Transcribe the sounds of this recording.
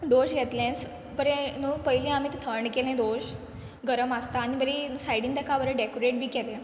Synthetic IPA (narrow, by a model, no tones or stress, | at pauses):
d̪oɕɡʱɛt̪lẽs | pəɾenuːpəɦilĩam̤it̪t̪ʰəɾɳkɛlɛ̃d̪oɕ | ɡəɾəməst̪aːñibəɾisajɽĩnd̪əkʰaʋəɾəɖekoɾeʈ̚bʱiːkɛlẽ